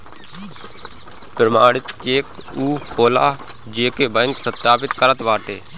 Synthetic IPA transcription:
pɾəmaːɽɪt̪t͡ʃeːk | uːhoːla̰ː | d͡ʒeːkeːbəŋkpɾət̪ːaːpɪt̪kəɾət̪ʋaːʈeː

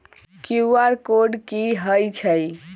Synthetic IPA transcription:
kjuaɾkoɖkiɦəjt͡ʃʰəj

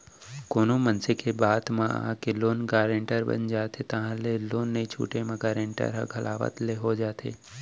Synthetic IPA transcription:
koːnomənsɪkebaːd̪mã̰keloːnɡaːɾẽɳʈəɾbə̰nd͡ʒaːt̪ʰet̪ɐɦãleloːnːəit͡ʃʰṵːʈemãɡaːɾẽɳʈə̰ɾɦãɡʱɐlʔa̰ːʋə̰t̪leɦod͡ʒaːt̪ʰḛː

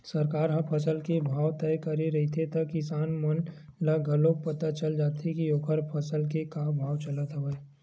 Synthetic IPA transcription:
sɐɾkaːɾɦɐ̃pʰɐsəlkebʱaːwt̪ɛːkɐɾiɾɐɦit̪ʰet̪ɐkɪsaːnmən | laɡʱɐlõk̚pət̪at͡ʃəld͡ʒaːt̪ikioːkʰəɾpʰɐsəlkekabʱaːwt͡ʃələt̪ɦəɦəe

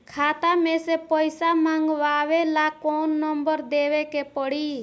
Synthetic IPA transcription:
kʰat̪amẽsepəjsamãŋɡʋaʋelakonːəmbəɾd̪ewekepəɽi

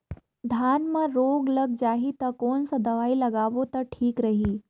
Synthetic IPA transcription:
d̪ʱanmə̃ɾoɡləɡ̚d͡ʒaɦit̪əkonsəd̪əʋailəɡaʋot̪əɾʈʰiːkɾəɦiː

